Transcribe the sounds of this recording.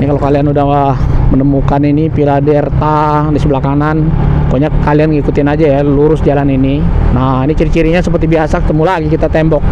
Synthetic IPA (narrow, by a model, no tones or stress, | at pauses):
nikalokalianudahahmənəmukaninipiladɛrt̪a | disəblakanankoɲakːalianŋikut̪ɪnad͡ʒajaluɾʊsd͡ʒalaninina | inikiɾikiɾiɲasəpərt̪ibiasakə̥t̪əmulaɡikit̪at̪ɛmbɔk̚